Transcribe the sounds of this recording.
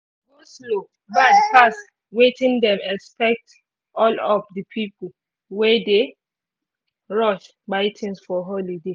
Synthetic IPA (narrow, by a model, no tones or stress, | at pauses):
woslo | banpas | wetĩndɛ̃mɛkspɛk̚t | ʔɔlɔfdəpʰipol̩ | wɛde | ɹɔʃ | baɪtʰĩnsfɔɦɔlide